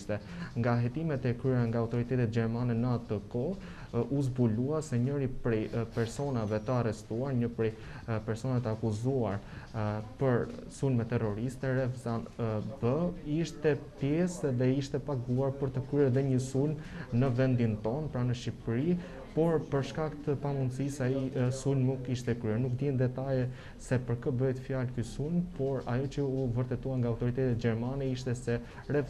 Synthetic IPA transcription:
t̪ɛ | ŋɡaɦɛt̪imɛt̪ɛkɾyɛɾaŋɡaːwt̪ɔɾit̪ɛt̪ɛt̪̚d͡ʑɛɾmanɛnəat̪əkɔ | us̬buluasɛɲəɾipɾɛjpɛɾsɔnavɛt̪əarɛst̪uaɾɲəpɾɛ | pɛɾsɔnat̪əakuzuaɾ | pəɾsulmɛt̪ːɛrɔɾist̪ɛɾɛfzanəbəiʃt̪ɛpjɛsðɛiʃt̪ɛpaɡuaɾpəɾt̪əkɾyɛɾðɛɲəsulmnəvɛnd̪int̪ɔnpɾanəʃipɾi | pɔɾpəɾʃkakt̪əpamund̪sisaisulmːukiʃt̪ɛkɾyɛnuk̚d̪jɛnd̪ɛt̪ajɛ | sɛpəɾkəbəjt̪fjalkysulmpɔɾa̰jɔt͡ɕəuvəɾt̪ɛt̪uaŋɡaːwt̪ɔɾit̪ɛt̪ɛt̪̚d͡ʑɛɾmanɛiʃ̬t̪ɛsɛ | ɾɛf

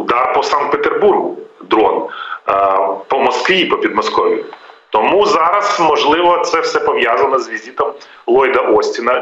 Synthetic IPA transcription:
ʊd̪ɑrpɔsɑnt̪̚pet̪erburɦʊd̪ɾɔn | pɔmɔskʋʲipɔpʲid̪mɔskɔʋʲit̪ɔmuzɑɾɐsmɔʒlˠɪʋɔt̪sɛwsɛpɔʋjazɐnɔzʋʲizʲit̪ɔm | lˠɔjd̪ɐʔɔsʲtʲinɐ

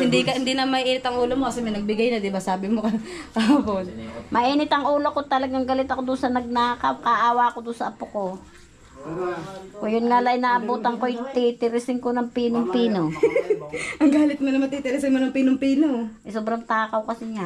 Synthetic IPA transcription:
hɪnd̪ikɐhɪnd̪inɐmɐʔɪʔiːnɪt̪ɐŋʔuːlomokɐsɛmɐjnɐɡ̚bɪɡajnɐd̪ɪbasaːbɪmokɐkaaponmɐʔiːnɪt̪ɐŋʔuːlokot̪ɐlɐɡaŋɡɐlɪt̪ɐkod̪ʊnsɐnɐɡ̚naːkɐwkɐʔaːwakod̪ʊnsɐʔɐpoko | kojʊnŋalaʔɪnaːʔɐbuːt̪ɐŋkojt̪it̪ɪɾɪsɪŋkonɐŋpiːnoŋpiːno | ʔɐŋɡaːlɪt̪̚monɐmɐt̪it̪ɪɾɪsɪŋmonɐŋpiːnoŋpiːnoʔɛsoːbɾɐŋt̪aːkɐwkɐsɪŋa

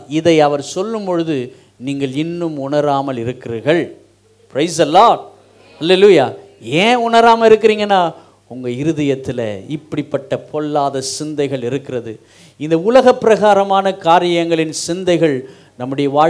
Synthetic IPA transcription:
ɪðɐɪɐʋɐɾsɔlːɯmpɔɻɯðɯ | niːŋɡɐɭɪnːɯmʊɳɐɾaːmɐlɪɾɯkːɪɾiːɾɣɐɭ | pɾɐɪsɐlːaːɖ | hɐlːeluːjaː | ẽːʊɳɐɾaːmɐlɪɾɯkːɪɾiːŋɡɐnːaː | ʊŋɡɐɪɾɯðɐjɐt̪ːɪlɐ̰ɪpːɐɽɪpːɐʈːɐpʰɔlːaːðɐsɪnd̪ɐɪɣɐɭɪɾɯkːɪɾɐðɯ | ɪnd̪ɐʊlɐɣɐpːɪɾɐɣaːɾɐmaːnɐkaːɾɪjɐŋɡɐɭɪnsɪnd̪ɐɪɣɐɭ | nɐmːɯɽɐjɐʋaː

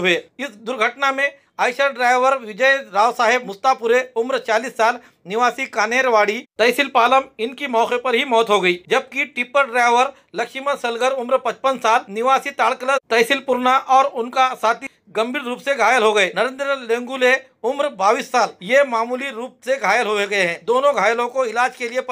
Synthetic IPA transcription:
ɦeːɪsd̪ʊɾɡʱəʈnamẽ | aːɪʃəɾɖɾaːɪʋəɾʋɪd͡ʒəjɾaːʋsaːɦɪb̚mʊst̪apʊɾeʊmɾt͡ʃaːliːsːaːl | nɪʋaːsikaːneːɾʋaːɽit̪ɐjsɪlpaːləmɪnkimɔːkepɐɾɦimɔːt̪ɦoɡɐiːd͡ʒɐb̚kiʈɪpəɾɖɾaːjʋəɾ | lɐkʃɪməsɐlɡəɾʊmɾpɐ̃t͡ʃpənsaːlnɪʋaːsit̪aːɭkələt̪ɐːsɪlpʊɾnaʔɔːɾʊnkasaːt̪i | ɡɐ̃mbʱiːɾɾuːpseɡʱaːjəlɦoɡɐeːnɐɾẽːnd̪ɾəlẽːŋɡule | ʊmɾbaːʋiːsːaːljemaːmuːliɾuːp̚seɡʱaːjəlɦoeɡɐeɦɛ̃ːd̪oːnõɡʱaːjəlõkoɪlaːd͡ʒkeliep

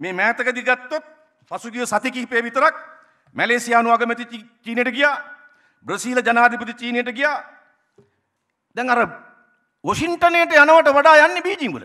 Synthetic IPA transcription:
meːmɛːt̪ɐkəd̪iɡat̪ːot̪̚ | pasuɡijosat̪ikiɦpeːʋit̪ɐɾak̚ | mæleːsijaːnuʋaːɡəmɛt̪iit͡ʃiːnejəʈəɡijaː | bɾɐsiːlɐd͡ʒanaːd̪ʱip̬ɐt̪it͡ʃiːnejəʈəɡijaː | d̪ɛŋaɾə | ʋoʃiɳʈɐnejʈəjanəʋɐʈəʋaɖaːjanːebiːd͡ʒiŋʋṵlə̰

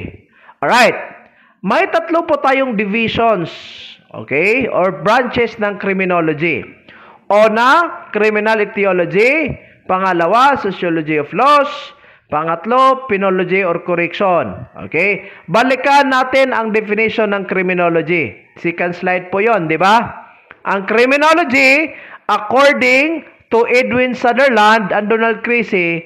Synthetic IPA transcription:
ɹajt̪̚ | mɐjt̪ɐt̪lopʊt̪aːjoŋd̪ɪviʃonsʔo̰ːkɛjoɹbɹant͡ʃɛsnɐŋkɾɪmɪnolod͡ʒḭ | ʔoːnakɾɪmɪnalɪt̪iolod͡ʒi | pɐŋɐlɐwasosjolod͡ʒioflos | pɐŋɐt̪lopɪnolod͡ʒioɾkʊɾɛkʃonʔo̰kɛjbɐlɪkanːaːt̪ɪnɐ̰ŋd̪ɛfɪnɪʃonːɐŋkɾɪmɪnoːlod͡ʒi | sikɐnslajd̪̚pʊjond̪ɪba | ʔɐŋkɾɪmɪnolod͡ʒiʔɐkoɹd̪ɪŋ | t̪ʊʔɛd̪wɪnsad̪ɛɹland̪ɐnd̪onald̪̚kɾisɪ

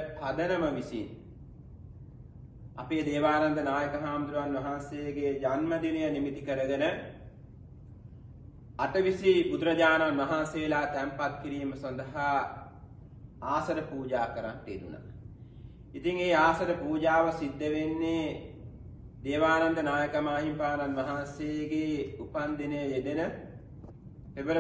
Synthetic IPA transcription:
pad̪ənəməʋisin | a̰peːd̪eːʋaːnand̪ənaːjəkɐɦaːmd̪ɾuʋanʋɐɦansejɡed͡ʒanməd̪inəjənimit̪ikəɾəɡənə | aʈəʋisibud̪ɾɐd͡ʒaːnanʋɐɦanseːlaːt̪æmpat̪̚kiɾiːməsɐnd̪ɐɦa | aːsɐɾəpuːd͡ʒaːkəɾanʈ̪eːd̪una̰ | it̪iŋeːaːsɐɾəpuːd͡ʒaːʋəsid̪ːeʋenːe | d̪eːʋaːnand̪ənaːjəkɐmaːɦimpaːnanʋɐɦansejəɡeːupand̪inəjəed̪enə | pebəɾ

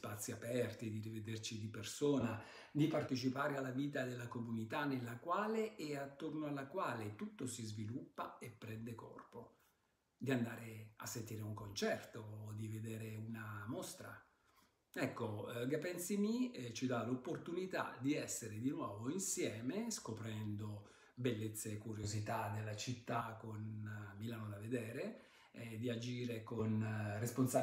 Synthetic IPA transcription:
spat̪sːiapɛrt̪id̪iɾived̪ert͡ʃid̪ipersoːna | d̪ipart̪et͡ʃipaːɾealːaviːt̪ad̪elːakomunit̪anelːakwaːleʔːat̪ːornoalːakwaːlet̪ut̪ːosizvilupːaepːɾɛnd̪ekɔ̰rpo | d̪iand̪aːɾea̰sːent̪iːɾeuŋkont͡ʃɛrt̪oːd̪ived̪eːɾeunamost̪ɾa̰ | ɛkːoɡapːɛnsimit͡ʃid̪alopːort̪unit̪a̰d̪iɛsːeɾed̪inwɔːvoinsjɛːmeskopɾɛnd̪o | belːet̪sːeːkːuɾjozit̪ad̪elːat͡ʃit̪ːakonmilaːnod̪aved̪ɛːɾe | ɛd̪iad͡ʒiːɾekonresponsa

